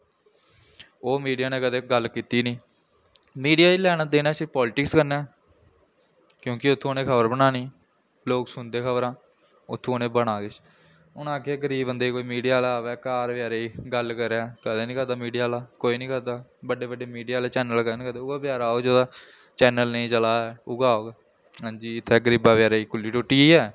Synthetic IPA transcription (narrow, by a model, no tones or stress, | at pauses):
oːmiːɖijaːneːkəd̪eːɡəlkiːt̪iːnĩː | miːɖijaːilɛːñaːd̪eːnaːsɪɾpɔːlɪʈɪkskəɾnɛː | kjõːkɪʊt̪ʰːõːneːkʰəbəɾbənaːniː | loːksʊnd̪eːkʰəbəɾãː | ʊt̪ʰːõːnẽːbəɽ̃aːkɪt͡ʃ | ʊnãːkeɡəɾiːbənd̪eːiːkoːiːmiːɖijaːlaaːʋɛːkaːɾʋjaːɾeːiːɡəlkəɾɛːkəd̪eːnĩːkəɾd̪aːmiːɖijaːlaːkoːiːnĩːkəɾd̪aːbəɖːeːbəɖeːmiːɖijaːlɛːt͡ʃɛːnəlkənĩːkəɾd̪aːʊɡaːbjaːɾaːoːd͡ʒoːd̪aː | t͡ʃɛːnəlnəĩːt͡ʃəlaːɛːʊɡaːoːɡ | sãːd͡ʒiːɪt̪ʰːɛːɡəɾiːbaːbjaːɾeːiːkʊlːiːʈʊʈiːɛː